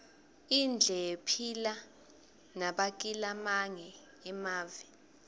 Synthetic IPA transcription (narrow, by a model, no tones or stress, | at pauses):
ind͡ɮʱɛepʰila | naɓak̬ʼilamaŋɛː | maːvi